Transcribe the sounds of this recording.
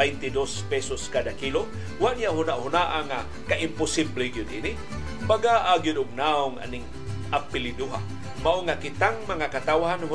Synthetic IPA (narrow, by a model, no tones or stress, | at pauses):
ajnt̪ɪdospɛsoskadakilo | waʔnijaʔhʊnaʔhʊnaʔaŋa | kaʔɪmpʊsibleɡijʊd̪ʔini | baɡaʔaɡijʊd̪ʊmnaʊŋʔa̰nɪŋ | ʔapɪlɪduɦa̰ | maʔoŋakɪt̪aŋmaŋakat̪awɦanɦʊ